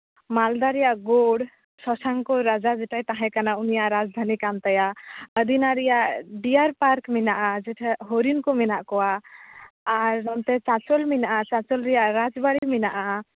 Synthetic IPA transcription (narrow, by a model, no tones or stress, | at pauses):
mald̪aɾɛjaʔɡoɽ | sɔsaŋkɔɾad͡ʒad͡ʒɛʈajt̪aɦãkanaunijaʔɾad͡ʒd̪ʱanikant̪ajaəd̪inaɾijaʔɖijaɾpaɾkminaʔad͡ʒɛʈʰɛɦoɾinkɔmɛnaʔkɔwaː | ɾnamt̪ɛt͡ʃat͡ʃɔlminaʔat͡ʃat͡ʃɔlɾɛjaʔɾad͡ʒbaɽiminaʔa